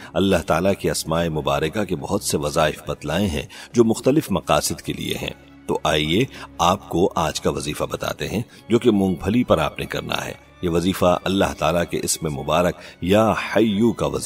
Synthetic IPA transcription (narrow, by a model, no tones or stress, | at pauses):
ɐlːaɦt̪aːlakeɐsmaːemʊbaːɾəkakebɐɦʊt̪seʋɐzaːɪfbɐt̪laːẽɦɛ̰̃d͡ʒoːmʊxt̪əlɪfmɐqaːsɪd̪kelḭḛɦɛ̰̃ː | t̪o̰ʔaːieaːpkoʔaːd͡ʒkaʋɐziːfabɐt̪a̰ːt̪eɦɛ̃ | d͡ʒoːkemʊ̃ŋɡ̚bʱɐlipɐɾaːpnekɐ̰ɾna̰ɦɛ̰ː | jeʋɐziːfaʔɐlːa̰ɦt̪aːlakḛʔɪsmemʊbaːɾəkjaːhɐjːukaʋɐ̰zi